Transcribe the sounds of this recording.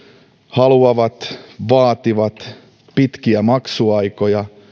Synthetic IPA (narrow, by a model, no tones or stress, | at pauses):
hɑluɑʋɑt̪ʋɑːt̪iʋɑt̪ | pit̪kiæmɑksuɑikojɑ